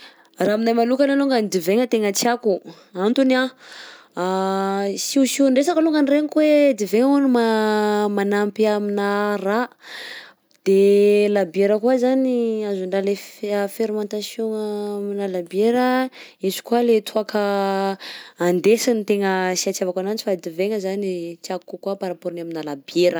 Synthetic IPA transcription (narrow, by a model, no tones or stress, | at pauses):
raːminajmanukanaluŋɡanid̪iveŋət̪eŋət͡siaku | ant̪una | siusiɳɖ͡ʐesakaluŋɡanireŋikwed̪iveŋunimamanampiaminəra | d̪̥elabeɾəkuazaniazuɳɖ͡ʐalefeɾimãnt̪asjoŋaminalabeɾəizu̥kualet̪ʰuakʰə | and̪esanit̪eŋəsiat͡ʃiavakanant͡ʃi̥fad̪iveŋəzanit͡s̪akkukuapaɾapoɾinaminalabeɾə